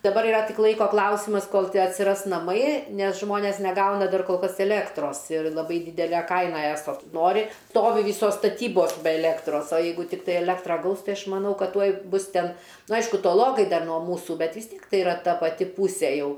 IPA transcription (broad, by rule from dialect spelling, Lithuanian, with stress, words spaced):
dɐˈbɐr ɪˈrɐ ˈtʲɪk ˈlˠɐɪkoː ˈklˠɐʊsʲɪmɐs ˈkoːlˠ ɐtʲsʲɪˈrɐs nɐˈmɐɪ ˈnʲɛs ˈʒmoːnʲeːs nʲɛˈɡɐʊnɐ ˈdɐr koːlˠ ˈkɐs ɛˈlʲeːktroːs ɪr lˠɐˈbɐɪ ˈdʲiːdʲɛlʲɛ ˈkɐɪnɐ ˈæːsoː ˈnoːrʲɪ ˈstoːʋʲɪ ˈʋʲiːsoːs stɐˈtʲiːboːs bʲɛ ɛˈlʲeːktroːs oː ˈjɛɪɡʊ tʲɪkˈtɐɪ ɛˈlʲæːktrɐ ˈɡɐʊs ˈtɐɪ ˈɐʃ mɐˈnɐʊ ˈkɐt ˈtuɔj ˈbʊs ˈtʲɛn nʊ ˈɐɪʃkʊ toːˈlˠoːkɐɪ ˈdɐr nuɔ ˈmuːsuː ˈbʲɛt ʋʲɪs ˈtʲiɛk ˈtɐɪ ɪˈrɐ ˈtɐ pɐˈtʲɪ ˈpʊsʲeː ˈjɛʊ